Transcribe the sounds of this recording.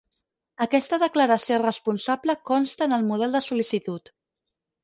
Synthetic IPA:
əkɛst̪əðəkləɾəsiorəspunsabləkɔnst̪əːnəlˠmuð̞ɛlˠd̪əsulisit̪ut̪

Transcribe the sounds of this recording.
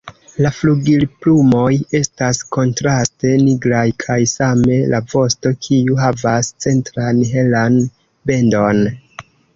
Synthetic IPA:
lafluɡilplumo̞je̞stasko̞ntɾaste̞niɡɾajkʰajsame̞lʔavo̞sto̞kʰiuɦavast͡se̞ntɾanɦe̞lan | be̞ndo̞n

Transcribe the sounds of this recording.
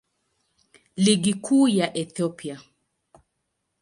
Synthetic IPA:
liɡikʰuːjaʔɛθɔpia

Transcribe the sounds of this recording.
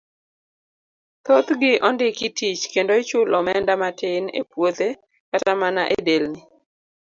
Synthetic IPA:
t̪ot̪ɡɪʔɔndɪkɪtit͡ʃkendoɪt͡ʃʊlɔmɛndamatɪnḛpwot̪e | katamanaʔedelnɪ

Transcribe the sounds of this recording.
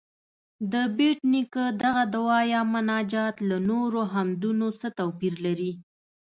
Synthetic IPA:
d̪əbeʈnikəd̪aɣad̪awɑjɑmʊnɑd͡ʒɑt̪lanoɾoɦamd̪unosət̪awpiɾlaɾi

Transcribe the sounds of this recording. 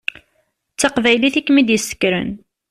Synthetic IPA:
t͡st͡sːɑqvæjliθikːmid̪jəsə̥kːɾə̰n

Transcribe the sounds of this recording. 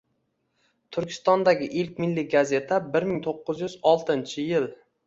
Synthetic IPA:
t̪ʰʊɾkʲʰɪ̥st̪ɒnd̪aɡʲɪʔɪlkʲmɪlːiɡaze̞t̪ʰabɪɾmɪŋt̪ʰoqːɨzjʏzɒlˠt̪ʰɪnt͡ʃʰɪjɪl

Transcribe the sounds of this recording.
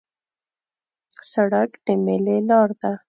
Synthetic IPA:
saɽakd̪əmelelɑɾd̪a

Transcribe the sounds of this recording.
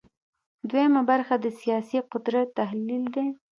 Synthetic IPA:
d̪wejamabaɾxad̪əsijɑsiqʊd̪ɾat̪ːahlild̪e

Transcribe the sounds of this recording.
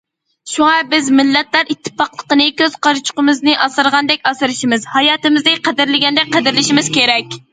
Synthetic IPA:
ʃuŋɑbɪzmɪlːɛt̪læɾit̪ʰːɨ̥pɑqlˠəqənɨkʲøz̥qɑɾt͡ʃʰʊ̥qəmɨznɨʔɑsɨɾʁɑnd̪ɛkʲɑsɨɾɨʃimɨzhɑjɑːt̪ɨmɨzd̪ɨqʰæd̪ɪɾlɪɡʲɛnd̪ɛk̚ʲqæd̪ɪɾlɪʃimɪz̥kʲeɾɛkʲ

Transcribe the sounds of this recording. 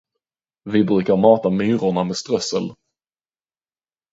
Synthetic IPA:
vɪbɾʉ̟ːkaɾmɑːt̪amyːɾʊɳameːst̪ɾœsə̰l

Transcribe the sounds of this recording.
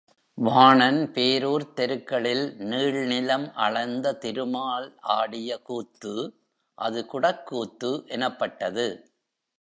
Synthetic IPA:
ʋaːɳɐnpeːɾoːɾt̪ɛɾɯkːɐɭɪlniːɭnɪlɐmʔɐ̰ɭɐɪnd̪ɐt̪ɪɾɯmaːɭʔaːɽɪjɐkuːt̪ːɯ | ʔɐðɯkʊɽɐkːuːt̪ːɯʔɛnɐpːɐʈːɐðɯ

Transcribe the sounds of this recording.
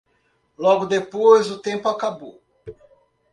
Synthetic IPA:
lɔɡʊd̪epojzʊt̪ẽmpʊakabow

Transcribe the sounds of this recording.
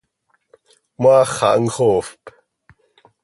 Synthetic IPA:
maχa̰ʔŋ̩χofp

